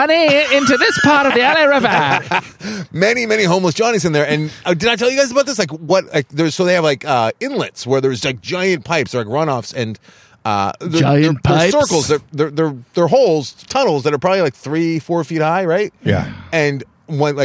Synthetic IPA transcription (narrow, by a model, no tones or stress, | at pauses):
ʌniɪ̃ntʉðɪspʰɑɹɾʌvðiɛlɛɹɛvə | mɛnimɛniɦõʊ̃mləs̬d̥ʒ̥ɑñizɨ̃nðə˞ɨ̃naɪdɨdnɨtʰɛlˠjɨɡaɪzəbaʊt̚ðɪslaɪkwʌt̚laɪk̚ðə˞z̥soʊðeɪɨvlaɪkʌɪ̃nlɪtswə˞ðə˞zlaɪk̚d̥ʒ̥aɪɨ̃npʰaɪpsə˞laɪkɹʌ̃ñɔfsɨ̃n | ʔʌ̰ðəaɪɨ̃˞npʰə˞ɪsɜ˞kl̩ˠzðə˞ðə˞ðə˞ðə˞ɦoʊlˠz̥tʰʌ̃nl̩ˠzðɨɾə˞pʰɹ̥ɑbəblilaɪk̚θɹifɔɹfit̚haɪɹaɪt̚jæ̰ɨ̃n | wɛ̃nlaɪ